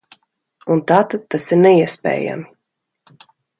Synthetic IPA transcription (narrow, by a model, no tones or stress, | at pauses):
unt̪aːt̪ad̪̚t̪ːasiɾnɛiɛspʲɛ̰ːja̰m